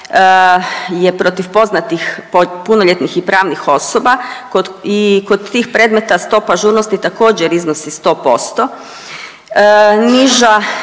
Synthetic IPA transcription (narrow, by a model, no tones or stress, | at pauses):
je̞pɾo̞t̪ifpo̞znat̪ixppunoʎʲet̪nixipɾaːʋnixo̞soba | oikod̪t̪ːiːxpɾed̪met̪ast̪o̞ːpaʒuːɾnost̪it̪ako̞ːd͡ʑeɾiznosist̪o̞ːpo̞st̪o̞ | niʒa